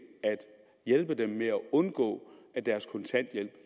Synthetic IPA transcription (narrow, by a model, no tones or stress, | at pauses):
æd̥ | jelb̥əd̥emːeæɔ̽nɡ̥ɔ̰̽ːæd̥æɐskʰɔ̽nt͡sʰæn̰d̥jel̰b̥